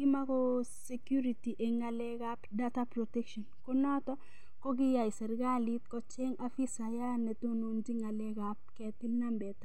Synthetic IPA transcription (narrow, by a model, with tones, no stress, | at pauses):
kɪ˦ma˦kɔ˦se˦kju˦ɾi˨ti˨ʔe˨ŋa˨lɛ˦ɡa˦pdata˦pɾo˨tɛ˦kʃɔ˨nkɔ˦nɔ˦t̪ɔ | kɔ˦ɡɪ˦ja˨i˨sɛ˨ɾɡa˦lit̪kɔ˦t͡ʃɛ˦ŋafi˦sa˨ja˦nɛ˨t̪o˦no˨nd͡ʒi˦ŋa˨lɛ˦ɡap̚kɛ˨t̪ɪ˦mna˦mbɛ˨t̪a˨